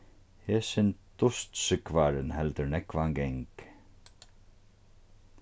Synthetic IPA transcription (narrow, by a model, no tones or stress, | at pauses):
hɛːsɪnt̪t̪ʊst̪sʏkvaɾɪnhɛlt̪əɾnɛkvaŋɡɛŋk